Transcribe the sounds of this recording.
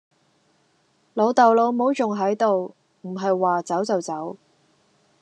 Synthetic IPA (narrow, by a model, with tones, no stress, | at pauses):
lo˨˧wt̪ɐ˨wlo˨˧wmo˨˥wt͡sʊ˨ŋɦɐ˨˥jt̪o˨w | m̩˨˩ɦɐ˨jwaː˨t͡sɐ˨˥wt͡sɐ˨wt͡sɐ˨˥w